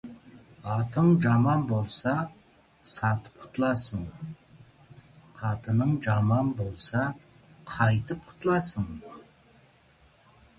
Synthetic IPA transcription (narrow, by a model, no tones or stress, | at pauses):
ɑt̪əɴʒɑmɑnbo̞lˠsɑ | sɑt̪ə̥p̚qʰʊ̥t̪əlˠɑsəɴ | qʰɑt̪ənəɴʒɑmɑnbo̞lˠsɑ | qʰɑjt̪əp̚qʰʊ̥t̪əlˠɑsəɴ